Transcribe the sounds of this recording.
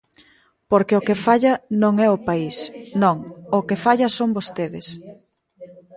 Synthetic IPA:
poɾkɪokefaʎɐnõŋɛʊpaisnõŋʊkɪfaʎɐsoŋbost̪eðɪs

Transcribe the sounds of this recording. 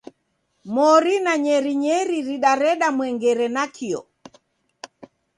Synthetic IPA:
mɔɾinaɲɛɾiɲɛɾiɾiɗaɾɛɗamwɛŋɡɛɾɛnakʰiɔ̰

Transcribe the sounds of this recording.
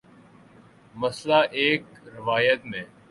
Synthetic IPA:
məslaːʔeːkɾɪʋaːjət̪mẽː

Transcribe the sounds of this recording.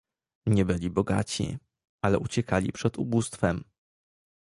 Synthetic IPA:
ɲɛbɘlʲibɔɡa̰t͡ɕḭ | alɛʔut͡ɕɛkalʲḭpʂɛd̪ubust̪fɛm

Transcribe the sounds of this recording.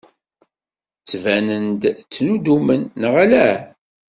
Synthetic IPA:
t͡sːvænənd̪t͡sːnud̪umənːəʁalæ

